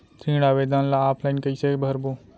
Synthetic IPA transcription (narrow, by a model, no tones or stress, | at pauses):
t̪ʰĩːɽaːʋeːd̪aːnlaaːpʰlaːinkəisebʱəɾboː